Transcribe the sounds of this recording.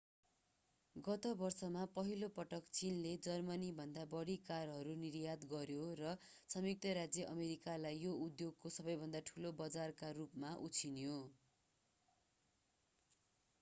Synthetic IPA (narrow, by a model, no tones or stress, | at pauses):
ɡʌt̪obʌrsʌmapʌɦilopʌʈʌkt͡sinled͡zʌrmʌnibʱʌnd̪abʌɽikarɦʌɾunirjad̪ɡʌɾjorʌ | sʌmjuk̚t̪ʌɾad͡zjʌʔʌmeɾikalajːoud̪joɡkosʌbʌjbʱʌnd̪aʈʰulobʌd͡zarkarupmaʔut͡sʰinjo